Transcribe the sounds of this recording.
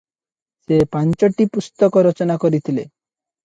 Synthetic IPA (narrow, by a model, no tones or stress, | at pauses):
sepant͡ʃɔʈipust̪ɔkɔɾɔt͡ʃɔnakɔɾit̪ʰile